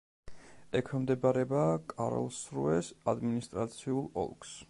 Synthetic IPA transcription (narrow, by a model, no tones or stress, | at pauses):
ɛkʰɛmd̪ɛbaɾɛbaːkʼaɾɔ̰lˠsɾuɛsad̪minist̪ʼɾat̪sʰiulˠɔ̰lˠks